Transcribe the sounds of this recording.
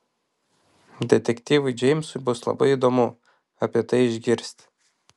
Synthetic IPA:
d̪ʲɛt̪ʲɛkʲt̪ʲiːʋʊɪd͡ʒʲɛɪmʲsʊbʊslˠɐ̰bɐɪid̪oːmʊ | ɐpʲiɛt̪ɐɪɪʒʲɡʲɪɾʲsʲt̪ʲ

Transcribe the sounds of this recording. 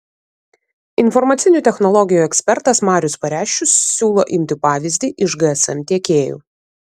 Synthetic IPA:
ɪnfɔɾmɐt̪sʲɪnʲuːt̪ʲɛxnɔlˠɔɡʲɪjuːɛksʲpʲɛɾt̪ɐsmɑːɾʲʊspɐɾʲæːʃʲt͡ʃʲːʊsːʲuːlˠoːʔɪmʲt̪ʲɪpɑːʋʲɪzʲd̪ʲiːʔɪʃɡɐɛsɛmt̪ʲiɛkʲeːjṵː

